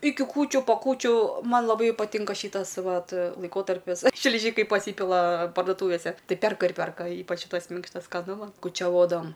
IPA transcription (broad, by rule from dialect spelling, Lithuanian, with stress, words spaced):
ˈɪkʲɪ ˈkuːt͡ʃʲʊ poː ˈkuːt͡ʃʲuː ˈmɐn lˠɐˈbɐɪ pɐˈtʲɪŋkɐ ˈʃʲiːtɐs ˈʋɐt lˠɐɪˈkoːtɐrʲpʲɪs ʃʲlʲɪˈʒʲiːkɐɪ pɐˈsʲiːpʲɪlˠɐ pɐrdoːˈtuːʋʲeːsʲɛ ˈtɐɪ ˈpʲɛrkɐ ɪr ˈpʲɛrkɐ ˈiːpɐt͡ʃ ˈʃʲiːtɐs ˈmʲɪŋkʃtɐs skɐˈnʊ ˈmɐn kʊt͡ʃʲɛˈʋoːdɐʋɐm